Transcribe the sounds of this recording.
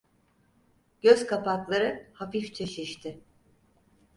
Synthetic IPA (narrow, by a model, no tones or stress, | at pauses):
ɟ̥øzkʰapaklˠaɾɯhafift͡ʃʰe̞ʃiʃt̪ʰɪ